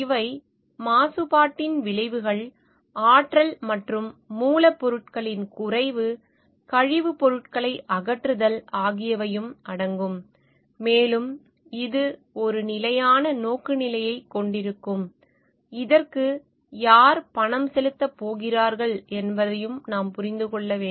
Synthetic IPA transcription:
ɪʋɐɪ | maːsɯpaːʈːɪnʋɪɭɐɪʋɯɣɐɭ | aːʈrɐlmɐʈrɯmːuːlɐpːɔɾɯʈ̚kɐɭɪnkʊrɐɪʋɯ | kɐɻɪʋɯpɔɾɯʈkɐɭɐɪʔɐɣɐʈrɯðɐlaːɣɪjɐʋɐjɯmɐɽɐŋɡɯmː | eːlɯm | ɪðɯ | ɔɾɯnɪlɐjaːnɐnoːkɯnɪlɐjɐɪkːɔɳɖɪɾɯkːɯm | ɪðɐɾkɯ | jaːɾpɐɳɐmsɛlɯt̪ːɐpːoːɣɪraːɾɣɐɭʔɛnbɐðɐjɯmnaːmpʊɾɪnd̪ɯkɔɭːɐʋeː

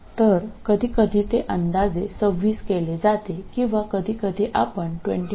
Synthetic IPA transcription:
t̪əɾkəd̪ʱiːkəd̪ʱiːt̪eʔənd̪ad͡zesəʋiːskeled͡zat̪ekĩw̃ʋakəd̪ʱiːkəd̪ʱiːʔapəɳʈʋḛɳʈi

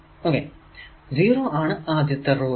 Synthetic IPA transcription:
oːke | ziːɾoːʔaːɳɨaːd̪jɐt̪ːɐɾoː

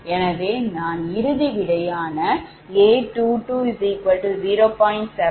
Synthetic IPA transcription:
ɛnɐðeːnaːnɪɾɯðiʋɪɽɐjaːnɐ | eːʈuːʈuːɪsikɐɾʈɯziːɾoːpɔːɪ̃ɳʈsɛ

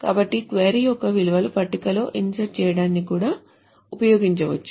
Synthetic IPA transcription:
kaːbɐʈːikʋeːɾijɔkːɐʋiluʋɐlupɐʈːikɐlo̞ːʔiɲd͡ʒɐɾt͡ʃɛːjɐɽaːnːikuːɽaː | upɐjoːɡiɲt͡ʃɐʋɐt͡ʃːu̥

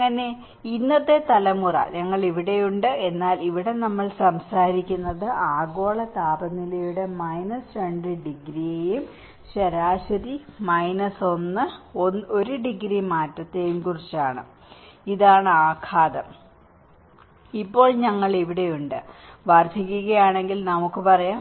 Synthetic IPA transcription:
ɐŋːɐne̞ | inːɐðe̞t̪ɐlɐmurɐ̰ɲɐŋːɐɭiʋiɽe̞juɳɖɨe̞nːaːliʋiɽe̞nɐmːɐɭsɐmsaːɾikʲːunːɐðɨʔaːɡo̞ːɭɐt̪aːbɐnːilɐjuɽe̞mɐjnɐsrɐɳɖriɖiɡɾijejum | ɕɐɾaːɕɐɾimɐjnɐso̞nːɨono̞ɾuɖiɡɾimaːtːɐt̪ːejumkurit͡ɕːaːɳɨ̰ | iðaːɳɨaːkʰaːd̪ɐm | ipːo̞ːɭɲɐŋːɐɭiʋiɽe̞juɳɖɨ | ʋɐrd̪ʱik̬ʲːuɣɐjaːɳe̞ŋɡilnɐmukːɨpɐrɐjaː

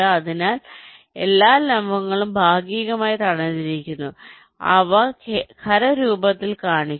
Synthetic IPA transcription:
ɐɐðinaːl | e̞lːaːlɐmbʱɐŋːɐɭumbʱaːɡiːɣɐmaːjit̪ɐɳɐðiɾikʲːunːu | ɐ̰ʋɐkʰɐɾɐɾuːbɐt̪ːilkaːɳi

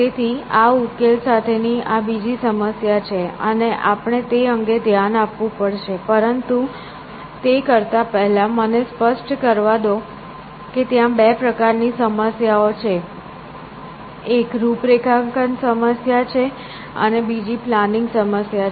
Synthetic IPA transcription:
t̪et̪ʰiaukelsat̪ʰeniʔabid͡ʒisəməsjat͡ʃʰeəneʔapɳ̃et̪eəŋɡed̪ʱjanapʋũpəɽʃepəɾənt̪u | t̪ekəɾt̪apɛɦɛlamənespəsʈkəɾʋad̪o | ket̪jãbɛpɾəkaɾnisəməsjaot͡ʃʰe | ekɾupɾekʰaŋkənsəməsjat͡ʃʰe | ə̰nebid͡ʒiplanɪŋɡsəməsja

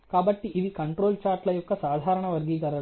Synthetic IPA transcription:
kaːbɐʈːiʔiʋikɐɳʈɾo̞ːlt͡ʃaːɾʈlɐjɔkːɐsaːd̪ʱaːɾɐɳɐʋɐɾɡiːkɐɾɐ

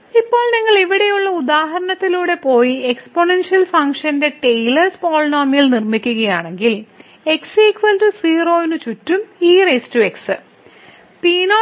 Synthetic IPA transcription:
ipːo̞ːɭniŋːɐɭiʋiɽe̞juɭːɐud̪aːɦɐɾɐnɐt̪ːiluːɽe̞po̞ːjiekspo̞ɳenʂiɐlfɐŋkʂɐnde̞ʈejlɐrspo̞ːɭnoːmilnirmikʲːuɣɐjaːɳe̞ŋɡil | e̞ksiːkʋɐlʈusiːro̞ːnut͡ɕutːumiːrestue̞ksɨ | piːnoː

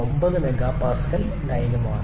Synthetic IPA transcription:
ombɐðɨmeɡaːpaːsɣɐl | nɐjɐnumaːɳ

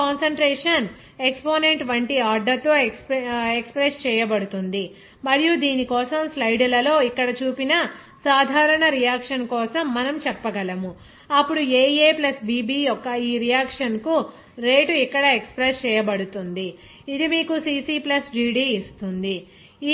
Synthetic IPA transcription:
aːnsɐɳʈɾeːʂɐn | ekspoːneɳʈʋɐɳʈiaːɖɐt̪o̞ː | ekspɾest͡ʃɛːjɐbɐɽut̪und̪i | mɐɾijud̪iːnikɔːsɐmslɐjɖulɐlo̞ːikːɐɽɐt͡ʃuːpinɐ | saːd̪ʱaːɾɐɳɐɾijaːkʂɐnkɔːsɐmːɐnɐmt͡ʃɛpːɐɡɐlɐmu | ɐpːuɽueːeːplɐsbiːbiːjɔkːɐiːɾijaːkʂɐnku | ɾe̞ːʈuikːɐɽɐekspɾest͡ʃɛːjɐbɐɽut̪und̪i | id̪imiːkusiːsiːplɐsɖiːɖiːist̪und̪i

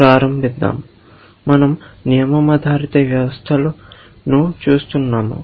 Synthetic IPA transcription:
ɾaːɾɐmbʱid̪ːa̰ːm | mɐnɐmnijɐmɐmɐd̪ʱaːɾit̪ɐʋjɐʋɐst̪ʰɐlɐ | nut͡ʃuːst̪unːaːmṵ

